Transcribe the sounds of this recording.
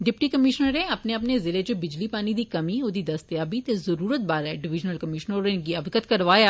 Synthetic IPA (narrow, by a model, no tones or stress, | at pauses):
ɖɪpʈiːkəmɪʃnəɾneːəpneəpneːzɪleːd͡ʒobɪd͡ʒliːpaːniːd̪iːkəmiːoːd̪iːd̪əst̪jaːbiːt̪eːzəɾuːɾət̪̚baːɾɛɖɪʋɪd͡ʒnəlkəmɪʃnəẽɡiabkət̪kəɾʋaːjaː